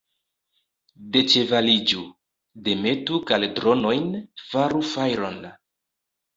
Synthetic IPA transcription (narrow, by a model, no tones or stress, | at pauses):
de̞t͡ʃe̞valid͡ʒu | de̞me̞tukaledɾo̞no̞jnfaɾufajɾo̞n